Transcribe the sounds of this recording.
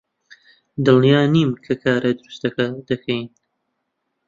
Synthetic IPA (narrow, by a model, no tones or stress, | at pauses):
d̪ɨlnjaːniːmkʰɐkʰaːɾʔɐd̪ɨɾust̪ɐkɐd̪ɐkʰɛjn